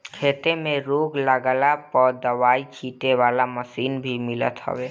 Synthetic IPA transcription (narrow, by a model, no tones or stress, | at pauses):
kʰeːt̪emẽɾoːɡləɡəlapɔːɾd̪əʋaːikʰiːʈeʋaːlaməsiːnbʱimɪlə̰t̪ɦə̰ʋeː